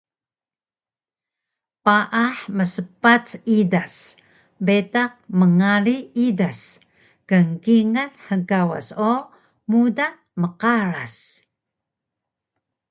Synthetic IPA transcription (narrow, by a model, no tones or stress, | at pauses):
paʔaħməsəpat͡sidas | betaq̚məŋaɾiidas | kəŋkiŋanħəɡawa̰so | muda | məqaɾas